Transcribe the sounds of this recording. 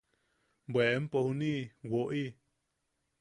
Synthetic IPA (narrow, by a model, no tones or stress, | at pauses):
bʷweempohunĩwoʔi